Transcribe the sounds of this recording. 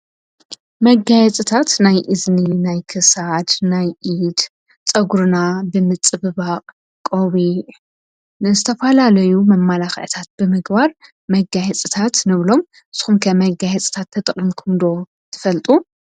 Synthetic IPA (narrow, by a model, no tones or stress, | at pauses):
mɐɡajɛt͡sʼɨt̪ʰat̪najʔɨzninajkʰɨsad̪najʔid̪̥ | t͡sʼɐɡuɾɨnabɨmɨt͡sʼɨbɨbaqʼ | kʼoβiʕ | nɨzɨt̪ʰɐfɐlalɐjumɐmːalaxʕt̪ʰat̪̚b̥ɨmɨɡbaɾ | mɐɡajɛt͡sʼɨt̪ʰat̪nɨβlo̞m | ɨz̥ɨ̥xumkʰɐmɐɡajɛt͡sʼt̪ʰat̪ʰːɐt̪ʼɨχʼimkʰɨmd̪o̞ | t̪ʰɨ̥fɐlt̪ʼu